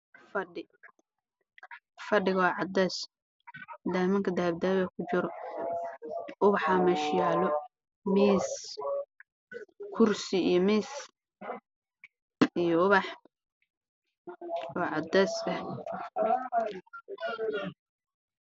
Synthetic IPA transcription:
fɐɖɪ | fɐɖɪɣɐwɑːʕɑd̪ɛːs | d̪aːmɪŋkʰɐd̪aːbd̪aːβɛkʰʊt͡ʃɪɾɔ | ʔʊβɑħaːmɛʃjaːlɔ | miːs | kʰʊrsɪijɔmiːs | ijɔʊβɑħ | ɔːʕɑd̪ɛːsɐh

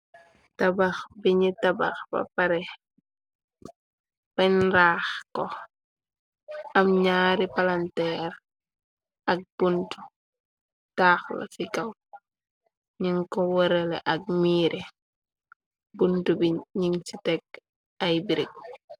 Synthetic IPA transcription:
tabaxbiɲitaba̰xbɐ̰paɾɛ | pɐɲɾaːxkɔ | ɐmɲaːɾipalantɛɾ | ʔɐk̚b̥untu | taːxla̰sikaw | ɲiŋkɔwɔɾɛlɛʔɐk̚miːɾʔe | buntubiɲiŋsitɛk̚ | ajbiɾik̚

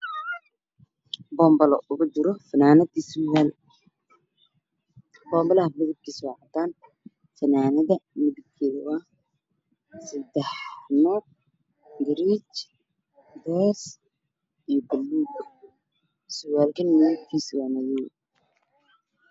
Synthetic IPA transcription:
bɔːmbɐlɔ̰ʔʊɣʊt͡ʃɪɾɔfɐnaːnɐd̪iswaːl | bɔːmbɔlɐɦɐmɪðɪb̚kʰisɔːʕɑt̪aːn | fɐnaːnɐðɐmɪðɪb̚kʰɛːðɐwa | sɐd̪ɛħnɔ | ɡɾit͡ʃ | bɔs | ijbɛlːuɡ | sʊwaːlkʰɐnmɪðɪbkʰiːsʊwaːnɐjɛ

